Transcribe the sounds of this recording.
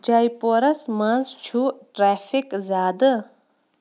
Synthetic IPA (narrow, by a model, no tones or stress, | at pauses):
d͡ʒaːjpoɾɐsmɐnzt͡ʃʰuʈɾaːfikzaːd̪ɨ